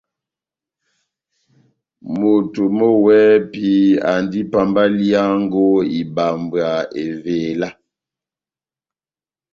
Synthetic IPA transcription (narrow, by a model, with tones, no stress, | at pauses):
mo˨to˨mo˦wɛ˦pi˦a˨ndi˦pa˨mba˦li˦a˦ŋɡo˦i˨ba˨mbɰa˨e˨ve˨la˦